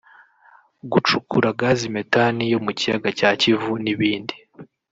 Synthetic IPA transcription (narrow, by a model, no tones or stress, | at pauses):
ɡut͡ʃukuɾaɡaːzime̞tanijo̞mucijaɡacaːcivuniβiːndi